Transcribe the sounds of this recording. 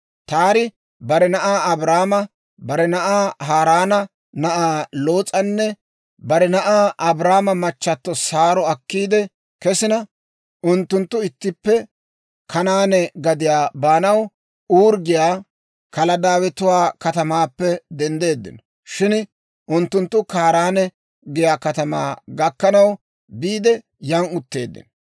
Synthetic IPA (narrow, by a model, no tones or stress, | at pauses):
t̪aːɾɪ | bɐɾɛnɐʔaːɐbɾaːmɐ | bɐɾɛnɐʔaːɦaːɾaːnɐ | nɐʔaːloːt͡sʼɐnːɛ | bɐɾɛnɐʔaːʔɐbɾaːmɐmɐt͡ʃːɐt̪ːɔsaːɾɔɐkːiːd̪ɛ | kɛsɪnɐ | ʔʊnt̪ːʊnt̪ːʊɪt̪ːɪpːɛ | kɐnaːnɛɡɐd̪ɪjaːbaːnɐw | uːɾɡɪjaː | kɐlɐd̪aːwɛt̪ʊwaːkɐt̪ɐmaːpːɛd̪ɛnd̪e̞ːd̪ːɪ̰nɔ | ʃɪn | ʔʊnt̪ːʊnt̪ːʊkaːɾaːnɛ | ɡɛjaːkɐt̪ɐma̰ːɡɐkːɐnɐw | biːd̪ɛ | jɐŋʊt̪ːe̞̰ːd̪ːɪ̰n